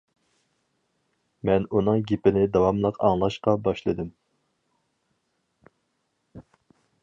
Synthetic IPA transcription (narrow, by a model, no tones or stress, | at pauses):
mɛnunɨŋɡʲepɪnɪd̪ɑwɑmlˠəqʰɑŋlˠɑʃqɑbɑʃlˠɨd̪ɨm